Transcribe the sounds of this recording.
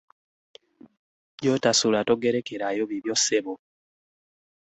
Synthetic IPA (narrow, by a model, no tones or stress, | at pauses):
jotasulatoɡeɾekeɾajoβiβjosːeβo